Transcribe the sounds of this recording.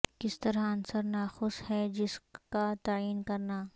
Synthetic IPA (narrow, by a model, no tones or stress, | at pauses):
kɪst̪ɐɾaɐnsəɾnaːxʊshɛd͡ʒɪskat̪aːiːnkɐɾnaː